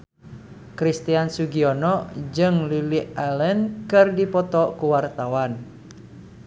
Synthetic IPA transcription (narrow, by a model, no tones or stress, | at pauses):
kɾist̪iansuɡiɔnɔd͡ʒɨŋliliʔalɛnkɨrdipɔt̪ɔkuwart̪awan